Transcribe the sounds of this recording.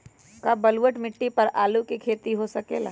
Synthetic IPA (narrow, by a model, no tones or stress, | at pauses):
kaːbɐlwəʈmɪʈːipɐɾʔaːlukikʰeːt̪iɦosɐkeːla̰ː